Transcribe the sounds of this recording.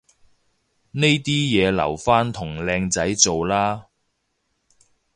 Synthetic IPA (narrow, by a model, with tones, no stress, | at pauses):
ne˥jt̪iː˥jɛː˨˧lɐ̰˨˩wfaː˥nt̪ʰʊ˨˩ŋlɛː˧ŋt͡sɐ˨˥jt͡so˨wlaː˥